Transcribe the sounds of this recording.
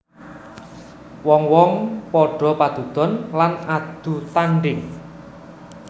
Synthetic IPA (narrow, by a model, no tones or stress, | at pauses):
wɔŋwɔŋpɔɖ̥ɔ̤pad̪̥ṳd̪̥ɔ̤nlanad̪̥ṳt̪aɳɖɪŋ